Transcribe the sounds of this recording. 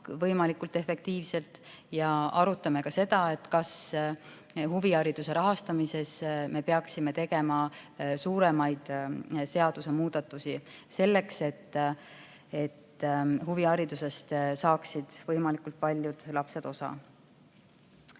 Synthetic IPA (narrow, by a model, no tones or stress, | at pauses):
vɤjmɑlikult̪e̞fe̞k̚t̪iːvse̞lt̪ˑjɑɑɾut̪ːˑɑme̞kɑse̞d̪̥ɑe̞t̪ːˑkɑs | huviɑɾid̪̥use̞ɾɑɦɑst̪ɑmise̞sme̞peɑksime̞t̪e̞ɡe̞mɑsuːɾe̞mɑjd̪̥se̞ɑd̪̥use̞muːd̪̥ɑt̪ːˑusise̞lːe̞kse̞t̪ː | e̞t̪ːhuviɑɾid̪̥use̞st̪sɑːksid̪̥vɤjmɑlikult̪̚pɑlʲːjud̪̥lɑpse̞d̪̥o̞sɑ̰